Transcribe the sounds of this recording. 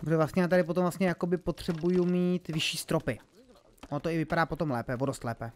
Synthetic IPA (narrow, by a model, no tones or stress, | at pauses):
ppɾoʒɛvlast̪ɲɛjaːt̪aɾɪp̬ot̪omvlast̪ɲɛjako̞bɪpo̞t̪r̝̥ɛbujumiːt̪vɪʃiːst̪ɾopɪ | ot̪oɪvɪpadaːpo̞t̪o̞mlɛːpɛvodost̪lɛ̰ːpɛ